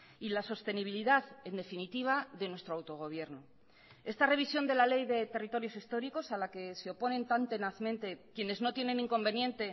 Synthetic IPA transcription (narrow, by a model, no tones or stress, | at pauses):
ilaso̞st̪e̞niβ̞iliðaðe̞nd̪e̞finit̪iβ̞aðe̞nwe̞st̪ɾoawt̪o̞ɣ̞o̞βje̞ɾno | e̞st̪are̞βisjo̞nd̪e̞lale̞jðe̞t̪e̞rit̪o̞ɾjo̞sist̪o̞ɾiko̞salake̞se̞o̞po̞nẽ̞nt̪ant̪enaθmẽ̞nt̪e̞kje̞ne̞zno̞t̪je̞nẽ̞nĩŋko̞mbe̞njẽ̞nt̪e̞